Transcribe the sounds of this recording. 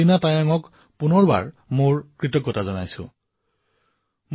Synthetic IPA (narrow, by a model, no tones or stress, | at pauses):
inatajaŋɔk | punɔɹba̰ɹ | moɹkɹitɔkːɔtazɔnajsʊ̰̃ | m